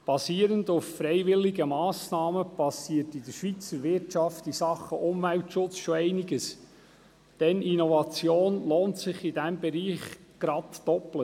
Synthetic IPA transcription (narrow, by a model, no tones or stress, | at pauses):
b̥ɑsiːəɾəndʊffɾɛɪʋɪlːɪɡəmɑːsnɑːməb̥ɑsiətidəɾʃʋit͡səɾʋɪrtt͡ʃɑftisɑχːəʔʊmvæltʃʊt͡sʃoɛɪniɡəs | d̥ɛninɔvɑt͡sjoːnloːntsɪχid̥æmbɛɾiːχɡ̥ɾɑdd̥ɔplə